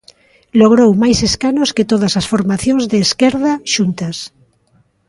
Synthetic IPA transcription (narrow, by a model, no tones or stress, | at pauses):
loɣɾowmajseskanosket̪oðɐsasfoɾmaθjõŋzðeːskɛɾðaʃunt̪ɐas